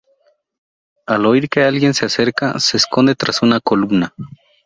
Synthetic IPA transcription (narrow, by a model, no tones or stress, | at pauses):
alo̞iɾke̞alɣje̞nsease̞ɾkase̞sko̞nd̪e̞t̪ɾasunakolumna